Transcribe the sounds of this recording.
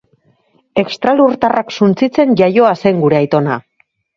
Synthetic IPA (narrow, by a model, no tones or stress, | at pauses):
e̞kst̪ɾaluɾt̪araksunt͡sit͡se̞nʝajo̞aseŋɡuɾe̞ajt̪o̞na